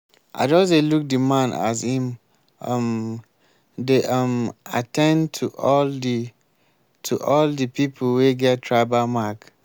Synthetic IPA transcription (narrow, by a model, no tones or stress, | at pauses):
ʔa̰d͡ʒɔseluk̚dimãna̰s̬hĩm | m | deʔama̰tʰɛ̃ntʰuʔɔldi | tʰuʔɔldipipʰlweɡɛttʰɹaɪbamak